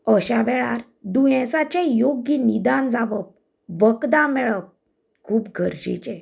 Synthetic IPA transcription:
əɕaʋɛɭaɾ | d̪ujɛ̃sat͡ɕẽjoɡinid̪and͡zaʋəp̚ | ʋəkd̪ãmɛɭəp̚ | kʰuːpɡʱəɾd͡ʑḭt͡ɕɛ

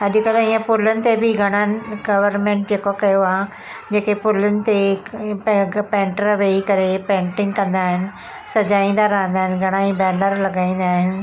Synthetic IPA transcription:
ɐʄkəlijə̃pʊlənɪ̆t̪ebʱɪɡʱɐɽ̃ənɪɡɐʋəɾmẽːɳʈ̚d͡ʑeːkokɐjoaː | d͡ʑeːkepʊlʊnɪ̆t̪e | pẽːɳʈəɾʋeikɐɾepẽːɳʈɪ̃ŋɡkɐ̃nd̪aːɦɪnɪ̆ | sɐd͡ʑaːĩːn̆d̪aɾɐɦə̃nd̪aːɦɪnɡʱɐɽ̃aːĩbɛːnəɾlɐɡaːĩːnd̪aːɦɪnɪ̆

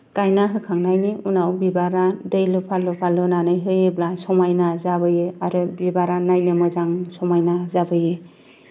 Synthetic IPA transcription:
kajnaɦɯkʰaŋnajniunawbibaɾadɯjlɯpʰalːɯpʰalɯnanɯjɦɯjeblasɔmajnazabɯjɯaɾɯbibaɾanajnɯmɯzaŋsɔmajnazabɯjɯ

